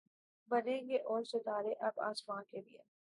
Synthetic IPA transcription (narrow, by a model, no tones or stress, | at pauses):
bɐnẽːŋɡeʔɔːɾsɐd̪aːɾeʔɐba̰ːsmãːnkebiḛ